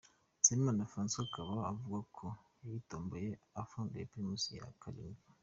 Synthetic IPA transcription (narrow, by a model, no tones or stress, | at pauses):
semãndafansokʰabaabuakʰːojajitɔmbojeafãndepimusujḛa̰kʰalḭn